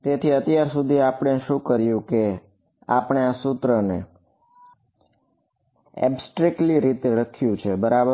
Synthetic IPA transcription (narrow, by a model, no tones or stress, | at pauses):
t̪et̪ʰiət̪jaɾsud̪ʱiapɳ̃eʃũkəɾjũke | a̰pɳ̃easut̪ɾəne | ḛbsʈɾek̚ʈliɾit̪eɾəkʰjũt͡ʃʰebəɾabə